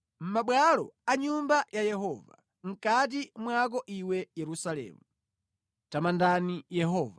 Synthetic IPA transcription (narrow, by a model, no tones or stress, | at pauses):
m̩maɓwalɔ̰aɲumbajajɛɦɔːva̰ | ŋ̩kat̬imwak̬ɔʔiwɛjɛɾusalɛ̰ːmu | tamandanijɛɦɔːva